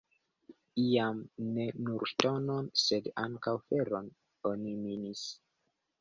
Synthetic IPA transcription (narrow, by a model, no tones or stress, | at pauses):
iamne̞nuɾto̞no̞nse̞daŋkawfe̞ɾo̞n | o̞niminis